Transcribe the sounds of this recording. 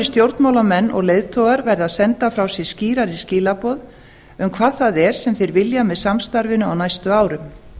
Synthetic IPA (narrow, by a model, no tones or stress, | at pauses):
st̪jowɾt̪mawlamɛnːʔɔ̰ɣlejðt̪ʰɔːɣaɾvɛɾðaðsɛnt̪afɾawsɛ̥sciːɾaɾisciːlapɔːð | ʏmkʰvaːðθaðɛɾ̥sɛmθejɾvɪljamɛðsamst̪aɾvɪnʏawnajst̪ʏaːwɾʏm